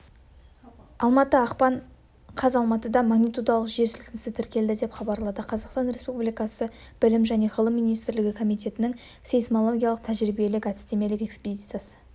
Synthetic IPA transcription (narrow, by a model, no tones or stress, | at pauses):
ɑlˠmɑt̪əɑqpɑɴ | qʰɑzɑlˠmɑt̪əd̪ɑmɑɡnijt̪ud̪ɑlˠəqʒe̞ɾsʏlk̪ʲɪnɪsɪt̪ʰɪɾkʲe̞ld̪ɪd̪e̞pχɑbɑɾlˠɑd̪əqʰɑzɑqst̪ɑnɾe̞spublijkɑsə | b̥ɪlɪmʒæne̞ʁəlˠəmːijnijst̪ɪɾlɪɡʲɪkʰo̞mijt̪e̞t̪ɪnɪŋ | sejsmolˠo̞ɡʲijɑlˠəq̚t̪ʰæʒɾibije̞lɪkʲæt̪ɪst̪e̞me̞lɪkʲe̞ksped̪ʲit̪sɨjasə̥